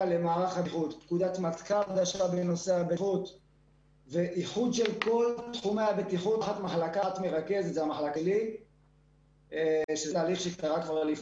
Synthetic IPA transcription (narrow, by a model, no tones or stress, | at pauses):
lemaːʁaχhaχut̪ːkud̪at̪mat̪kaad̪aʃabeno̞seabeχut̪ | veʔiχud̪ʃelko̞lt̪χumeabet̪iχutχat̪maχlakat̪meʁake̞zet̪zamaχlakli | ʃetaːliχʃekt̪aʁakvaʁlif